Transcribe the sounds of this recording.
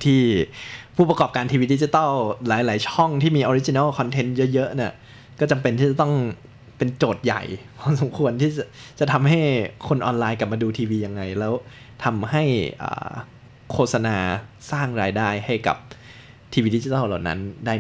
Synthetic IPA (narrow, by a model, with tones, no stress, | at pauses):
t̪ʰiː˥˩pʰuː˥˩a˧kɔː˨˩p̚kaː˧nt̪ʰi˧wiː˧di˦˥t͡ɕi˧t̪ɔ˥˩wlaː˩˦jlaː˩˦jt͡ɕʰɔ˥˩ŋt̪ʰiː˥˩miː˧ʔɔː˧ɾi˦˥t͡ɕi˧na˥˩wkʰɔ˧nt̪ʰe˧˦˥njɤ˦˥jɤ˦˥ʔni˥˩ɐ | kɔː˥˩t͡ɕa˧mpe˧nt̪ʰiː˥˩t͡ɕa˨˩t̪ɔ˥˩ŋ | pe˧nt͡ɕoː˨˩t̪̚ja̰˨˩jkʰaː˧˥˩ms̬o˨˩˦mkʰu˧ənt̪ʰiː˥˩t͡ɕa˨˩t͡ɕa˨˩t̪ʰa˧mɦa˥˩jkʰo˧nʔɔː˧nlaː˧jkla˨˩p̚maː˧duː˧t̪ʰiː˧wiː˧ja˧ŋːa˧jlɛː˦˥w | t̪ʰa˧mɦa˥˩jʔa̰ː˨˩ | kʰoː˥˩t̪̚sa˧naː˧saː˥˩ŋɾaː˧jdaː˥˩jha˥˩jka̰˨˩p̚ | t̪ʰiː˧wiː˧di˦˥t͡ɕi˧˦t̪ɔː˥˩wla˨˩wna̰˦˥ndaː˥˩